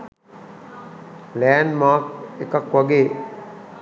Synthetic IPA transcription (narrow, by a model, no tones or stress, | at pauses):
lɛːnmaːkekakʋaɡeː